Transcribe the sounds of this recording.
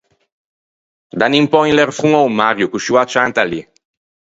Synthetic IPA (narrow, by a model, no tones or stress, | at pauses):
d̪animpɔinlɛɾfʁuŋɔwmaɾjukuʃuwat͡ʃant̪ali